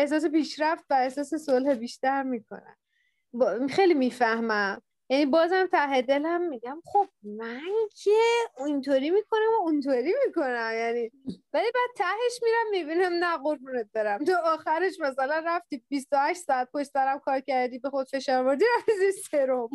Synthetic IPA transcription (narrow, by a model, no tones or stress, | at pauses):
e̞hs̬ɒːs̬e̞piːʃɾæft̪væehsɒːse̞solhebiːʃt̪æɾmiːkʰo̰næ̰m | bxejlimiːfæhmæm | jænibɒːzæmt̪ʰæɦe̞d̪e̞læmːiɟæmχo̞b̥̚mæŋkʰeint̪ʰoːɾiːmiːkʰo̞næmoint̪ʰoɾimiko̞næmjæniːvælibæːd̪̚t̪ʰæhe̞ʃmiːɾæmːibiːnæmnæɣoɾbunet̪̚b̥̪ɒɾæmt̪ʰɒːxæɾe̞ʃmæsælænræft̪ibist̪ohæʃt̪sɒæt̪̚koʃtsæɾæmkʰɒːɾcæɾd̪iːbe̞xod̪̥fe̞ʃɒːɾvoɾd̪iæfziseɾom